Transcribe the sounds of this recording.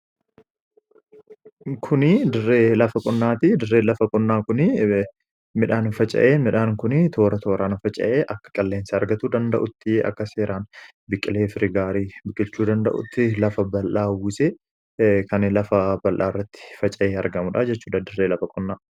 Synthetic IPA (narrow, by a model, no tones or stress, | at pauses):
kʰʊnɪd̪ɪrːeːlɐfɐkʼʊnːaːt̪ɪd̪ɪrːeːlɐfɐkʼʊnːaːkʊnɪ | mɪᶑaːnfɐt͡ʃʼɐ̰ʔeːmɪᶑaːŋkʊnɪt̪ʰo̞ːɾɐt̪ʰo̞ːɾaːnfɐt͡ʃʼɐ̰ʔeːʔɐkːɐ̥kʼɐlːeːnsɐɐɾɡɐt̪uːd̪ɐnd̪ɐʔʊt̪ːɪɐ̰kːɐseːɾʔaːn | bɪkʼːɪle̞ːfɪɾɪɡaːɾiːbɪkʼːɪlt͡ʃːuːd̪ɐnd̪ɐ̰ʔʊ̰t̪ːɪlɐfɐbɐlʔaːwuse | kɐnlɐfɐbɐlʔaːɪrːɐt̪ːɪ̥fɐt͡ʃʼɐʔeːɐɾɡɐmʊᶑɐd͡ʒɛt͡ʃːuːᶑɐd̪ɪrːeːlɐfɐkʼʊnːaː